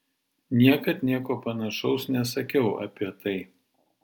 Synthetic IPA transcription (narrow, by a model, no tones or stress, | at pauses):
nʲiɛkɐt̪nʲiɛkoːpɐnɐʃɐʊsnʲɛsɐkʲɛʊɐ̰pʲiɛt̪ɐɪ